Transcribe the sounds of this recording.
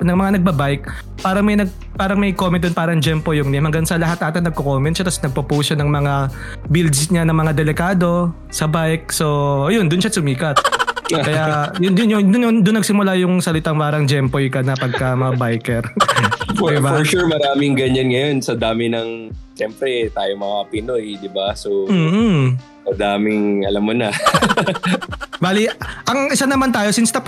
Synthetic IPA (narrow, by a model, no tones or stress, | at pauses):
nɐŋmɐŋanɐɡ̚bɐbajk̚ | paːɾɐŋmɐjnɐɡ̚ | paːɾɐŋmɐjkomɛnʊnpaːɾɐŋd͡ʒɛmpojʊŋnɛmhɐŋɡɐnsɐlɐɦat̪nʔat̪ɐnɐɡ̚kokoːmɛnt̪ʃat̪ɐsnɐɡ̚pɐpuːsanɐŋmɐŋa | bild̪sɲanɐŋmɐŋad̪ɛlɛkaːd̪o̞ | sɐbajk̚so̞ʔɐjond̪ʊnʃasʊmiːkɐt̪̚kɐjajʊnʊnjʊd̪ʊnʊŋd̪ʊnːɐɡ̚sɪmʊlajʊŋsɐlɪt̪aŋpaːɾɐŋd͡ʒɛmpojkɐnɐpɐɡ̚kɐmɐbajkɛɾ | fd̪ɪbaɔɹʃuɹmɐɾaːmɪŋɡɐɲanŋɐjo̞nsɐd̪aːmɪnɐŋʃɛmpɾɛt̪aːjomɐapɪnojd̪ɪbasomm̩ː | sɐd̪aːmɪŋɐ̰lamːonɐ | baːliʔɐŋʔɪsanɐmant̪aːjo̞sɪnst̪ɐp